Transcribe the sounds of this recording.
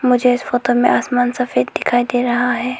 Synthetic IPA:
mʊd͡ʒʱeɪsfoːt̪omẽʔaːsmaːnsɐfeːt̪̚d̪ɪkʰaːid̪eːɾɐɦaɦɛː

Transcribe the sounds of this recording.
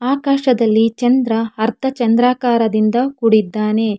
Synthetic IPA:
aːkaːʃɐd̪ɐlːit͡ʃɐnd̪ɾɐɐɾt̪ʰɐt͡ʃɐnd̪ɾaːkaːɾɐd̪ind̪ɐkuɽid̪ːaːne̞

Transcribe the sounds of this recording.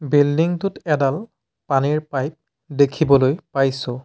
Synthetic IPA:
bildiŋtʊtɛdal | paniɹpajp̚ | dekʰibɔlojpajsʊ

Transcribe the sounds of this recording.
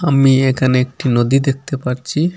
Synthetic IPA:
amiekʰaneek̚ʈinod̪id̪ek̚t̪epaɾt͡ɕʰi

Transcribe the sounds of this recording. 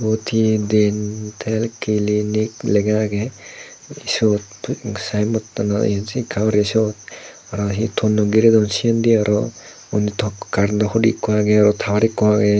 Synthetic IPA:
bɔtʰidentʰɛlkiliniklɛɡaɡɛ | isɔt̚pʰsajmɔtːanaḭzikʰawɾesɔt̚ | aɾɔɦitʰɔnːɔɡiɾedɔnsiɔndiaɾɔ | ɔnitʰɔkaɾndɔxɔdḭkɔwaɡɛaɾɔtʰawaɾikːɔwaɡɛ

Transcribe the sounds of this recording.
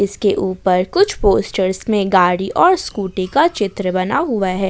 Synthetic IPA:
ɪskeʔuːpəɾkʊt͡ʃʰpoːsʈəɾsmẽɡaːɽiʔɔːɾskuːʈikat͡ʃɪt̪ɾəbɐnaɦʊaɦɛː

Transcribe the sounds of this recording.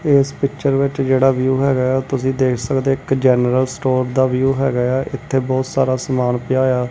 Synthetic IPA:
ɪspɪkt͡ʃəɾʋɪt͡ʃd͡ʒeːɽaːʋjuːɦɛːɡaːaːt̪ʊsĩːd̪eːkʰsəkd̪eːɪkd͡ʒɛːnəɾəlsʈoːɾd̪aːʋjuːɦɛ̰ːɡaaːʔɪt̪ʰːeːbɔːt̪saːɾaːsəmaːnpɪjaːjaː

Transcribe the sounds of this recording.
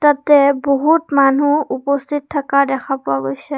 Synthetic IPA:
t̪at̪ɛbɔɦutmanuupɔst̪ʰit̚tʰːakadɛkʰapʊaɡojsɛ

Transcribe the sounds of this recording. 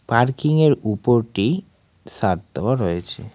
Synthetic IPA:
paɾkiŋeɾupoɾʈi | saɾt̪ɔwaɾojet͡ɕʰe

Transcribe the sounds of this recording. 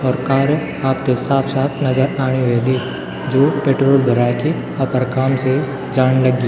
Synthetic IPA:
ɔːɾkaːɾjə | aːpt̪esaːpʰsaːpʰnɐd͡ʒəɾaːɽ̃eʋeːli | d͡ʒoːpeːʈɾoːlbʱəɾaːke | aːpəɾkaːmse | d͡ʒaːñlɐɡːiː

